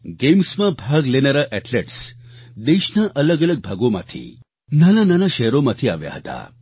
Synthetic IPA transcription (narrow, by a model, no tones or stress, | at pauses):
ɡemsmãbʱaɡlenaɾaʔɛʈleʈsd̪eʃnaʔələɡələɡ̚bʱaɡomã̰t̪ʰḭ | nanananaʃɛɦɾomãt̪ʰiaʋja̰ɦət̪a̰